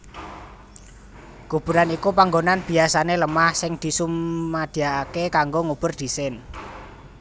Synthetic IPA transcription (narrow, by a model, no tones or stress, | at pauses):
ɡ̥ub̥ṳɾanikupaŋɡonanb̥i̤asaneləmahsɪŋd̪̥i̤sumːad̪̥i̤aakekaŋɡoŋub̥ʊ̤rd̪̥i̤sɪn